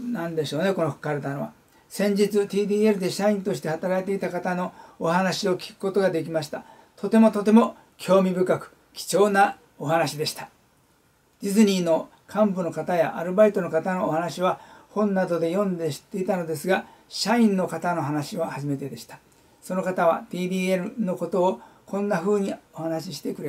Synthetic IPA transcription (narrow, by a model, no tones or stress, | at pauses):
nãnd̪e̞ɕo̞ːne̞ko̞nohɯ̥kːaɾɯ̟t̪anoβa̰ | sẽ̞ɲ̟d͡ʑit͡sɨt̪ʲiːd̪iːe̞ɾɯ̟d̪e̞ɕaĩnt̪o̞ɕi̥t̪e̞hat̪aɾait̪e̞it̪akat̪ano̞ːhanaɕio̞kʲi̥kɯ̥ko̞t̪o̞ɡad̪e̞k̬ʲimaɕi̥t̪a | t̪o̞t̪e̞mo̞t̪o̞t̪e̞mo̞ | kʲʰo̞ːmʲibɯ̟kakɯ̟̥ | kʲi̥t͡ɕo̞ːna | oɦanaɕid̪e̞ɕi̥t̪ḁ | d͡ʑizɨɲ̟iːno̞ | kʰãmbɯ̟no̞kat̪aja̰ʔaɾɯ̟bait̪o̞no̞kat̪ano̞ːhanaɕiβahõ̞nːad̪o̞d̪e̞jõ̞nd̪e̞̥t̪e̞it̪ano̞d̪e̞sɨɡa | ɕaĩnːo̞kat̪ano̞ɦanaɕiohaʑime̞t̪e̞d̪e̞ɕi̥t̪ḁ | so̞no̞kat̪aβ̞a̰t̪iːd̪ʲiːeɾɯ̟no̞ko̞t̪o̞ːkʰõ̞nːaɸɯ̟ːɲ̟iohanaɕiɕi̥t̪e̞kɯ̟ɾe